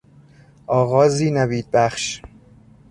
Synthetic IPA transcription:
ʔɒːɣɒːziːnæbiːd̪̚bæχʃ

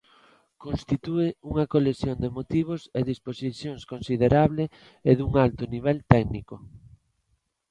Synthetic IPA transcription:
konst̪it̪ueuŋɐkoleθjond̪emot̪iβ̞oseðisposiθjoŋskonsiðeɾaβle | eðuŋalt̪ʊniβ̞ɛlt̪ɛɡnikʊ

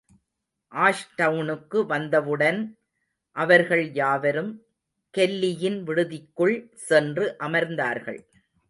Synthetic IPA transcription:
ʔaːʂʈɐʊnɯkːɯʋɐnd̪ɐʋɯɽɐn | ʔɐʋɐɾɣɐɭjaːʋɐɾɯm | kɛlːɪjɪnʋɪɽɯðɪkːɯɭsɛndrɯʔɐmɐɾnd̪aːɾɣɐ̰ɭ

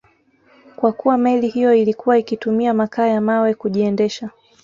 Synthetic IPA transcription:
kwakuwamɛlihijɔilikuwaikitumiamakaːjamawɛkuʄiɛndɛʃa

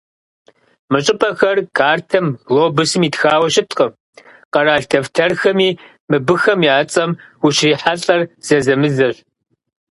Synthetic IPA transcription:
mɨɕʼɪpʼɐxɐrkʰaːrtʰɐmloːbʊsɨmiːtxaːwɐɕɪtʰqʼə | qɐraːɬtʰɐvtʰɐrxɐmiː | mɨbɨxɐmjaːt͡sʼɐmxʊʃriːħaɬʼɐrz̥ɐzɐmɨzɐɕʷ

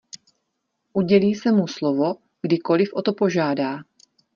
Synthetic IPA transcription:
ʔuɟɛliːsɛmuslovo̞ | ɡ̥dɪko̞lɪfʔo̞t̪o̞po̞ʒaːdaː

